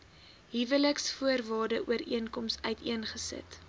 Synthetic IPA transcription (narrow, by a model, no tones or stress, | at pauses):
ɦivələksfuərvɑːrdəʔuəɾḭənkɔmsœɥtʰiənχəsə̰t